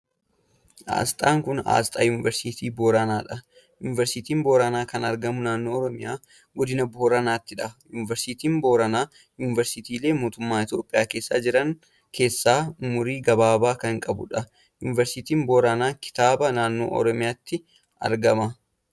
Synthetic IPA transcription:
ʔa̰ːst̪ʼaːŋkʊna̰ːst̪ʼa̰ːjuːnɪvɛɾsit̪iːboːɾɐnaːᶑɐ | jṵːnɪvɛɾsit̪iːmboːɾɐnaːkɐnɐɾɡɐmʊnaːnːoːɔɾɔmɪjaː | ɡɔd̪ɪnɐbɔhɔɾɐnaːt̪ːɪᶑɐjuːnɪvɛɾsiːt̪iːmboːɾɐnaː | juːnɪvɛɾsɪt̪iːle̞ːmoːt̪ʊmːaːɪt̪jo̞ːpʼːɪjaːke̞ːsːaːd͡ʒɪɾɐŋ | kʰe̞ːsːaːʊmʊɾiːɡɐbaːbaːkɐŋkʼɐbʊ̰ᶑɐ | jṵːnɪvɛɾsit̪iːmboːɾɐnaːkɪ̥t̪aːbɐnaːnːo̰ːʔɔ̰ɾɔmɪjaːt̪ːɪ | ɐ̰ɾɡɐmɐ

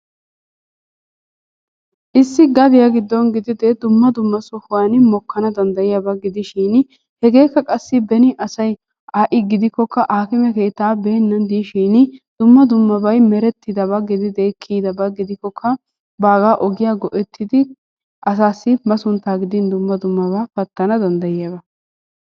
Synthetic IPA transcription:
ʔɪsːɪɡɐd̪ɪjaɡɪd̪ːɔnɡɪd̪ɪd̪ɛd̪ʊmːɐd̪ʊmːɐsɔhʊwaːnmɔkːɐnɐd̪ɐnd̪ɐjɪjɐbɐɡɪd̪ɪʃiːn | hɛɡe̞ːkːɐkʼɐsːɪbɛnɪʔɐsɐj | ʔaːʔɪɡɪd̪ɪkːɔkːɐʔaːkɪmɛke̞ːt̪ːaːbe̞ːnːɐnd̪iːʃiːnɪd̪̥ʊmːɐd̪ʊmːɐbɐjmɛɾɛt̪ːɪd̪ɐbɐɡɪd̪ɪd̪eːkʰːiːd̪ɐbɐɡɪd̪ɪkːɔkʰːɐ | baːɡaːʔɔɡɪjaːɡɔʔɛt̪ʰːɪd̪ɪ | ʔɐsaːsːɪmɐsʊnt̪ːaːɡɪd̪ɪnd̪ʊmːɐd̪ʊmːɐβɐfɐt̪ːɐnɐd̪ɐnd̪ɐjɪjɐbɐ

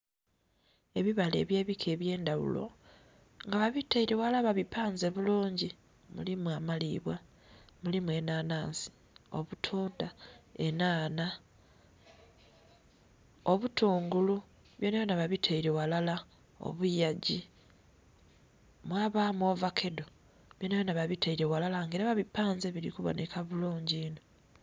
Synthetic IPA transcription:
e̞βiβale̞̰ːβjeːβikʰe̞ːβje̞ːndaβṵlo̞̰ | ŋɡaβaβiteiɾewalaβaβipaːnze̞βuluːɲɟi | mṵlimwamaliβwa | mulimwe̞naːnaːnsi̥ | o̞̰βutʰuːndaenaːna | o̞βutuːŋɡulu | βjonajonaβaβitʰeiɾewalala | o̰βujaɟi | mwaːβaːmwo̞ːvakʰe̞do̞ | βjonajonaβaβiteiɾe̞walalaŋɡeɾaβaβipːaːnzeβiɾḭkuβo̰nekʰaβuluːɲɟiːno

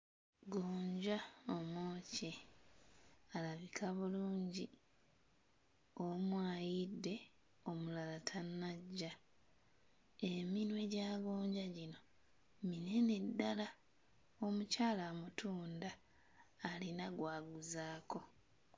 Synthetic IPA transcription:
ɡoːɲɟaomoːce | alaβikʰaβuluːɲɟi | o̞mwaːjidːe̞ | o̞mulalatʰanːaɟːa | eminwe̞ɟaːɡoːɲɟaɟino̞ | mine̞ne̞dːala | o̞mucaːlamutʰuːndaː | linaɡwaːɡuzaːko̞

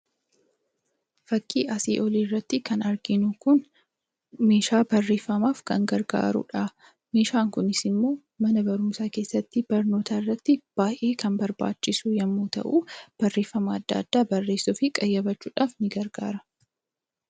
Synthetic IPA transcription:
fɐkʼːḭːʔɐsḭːʔɔliːrːɐt̪ːɪkɐnɐɾɡɪnʊkʊn | me̞ːʃaːbɐrːe̞ːfːɐmaːfkɐ̰ŋɡɐɾɡa̰ːɾʊ̰ᶑa | me̞ːʃaːŋkʊnɪsɪmːo̞ː | mɐnɐbɐɾʊmsaːke̞ːsːɐt̪ːɪbɐɾno̞ːt̪aɪrːɐt̪ːɪb̥aːjʔeːkʰɐnbɐɾba̰ːt͡ʃːɪsujɐmːuːt̪ɐ̰ʔuːb̥ɐrːe̞ːfːɐmɐːd̪ːɐ̰ːd̪̥ːaːbɐrːe̞ːsːʊfɪkʼɐjːɐbɐt͡ʃːuːᶑaːfnɪɡɐɾɡa̰ːɾɐ̥

